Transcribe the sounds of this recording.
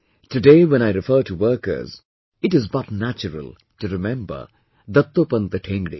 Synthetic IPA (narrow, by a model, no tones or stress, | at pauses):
tʰɨdeːwɛ̃ñaɪɾɪfəːʈʰuwəːkə̰˞z̥ | ɪʈɪzbʌtnæt͡ʃəɾə̰lˠ | tuɾɪmɛ̃mbə̰˞ | d̪ʌt̪ːopə̃nd̪əʈʰɛ̃ŋɡɾḭ